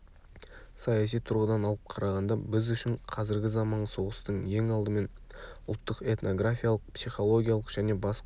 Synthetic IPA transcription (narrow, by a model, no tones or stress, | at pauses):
sɑjɑsijt̪ʰʊɾʁəd̪ɑnɑlˠəp̚qʰɑɾɑʁɑnd̪ɑbɪzʏʃɪɴqʰɑzɪɾɡʲɪzɑmɑɴso̞ʁəst̪əɴje̞ŋɑlˠd̪əme̞nʊ̰lˠt̪ːəqe̞t̪no̞ɡrafʲijalˠəq̚psijχo̞lˠo̞ɡʲijalˠəqʒ̥æne̞bɑsq